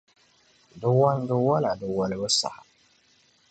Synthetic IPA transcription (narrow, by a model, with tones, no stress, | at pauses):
dʊ˦wa˦n˦dɨ˦wa˦la˨dɨ˨wɔ˨lɨ˦bɨ˦sa̰˨ha˨